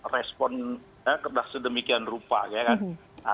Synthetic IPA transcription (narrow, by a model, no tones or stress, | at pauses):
rɛspɔn | jakərdahsədəmikianrupa̰kajakan | a